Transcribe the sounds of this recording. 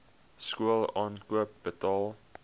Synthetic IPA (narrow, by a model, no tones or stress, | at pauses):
skuəlˠɑːnkuəp̚b̥ətɑːlˠ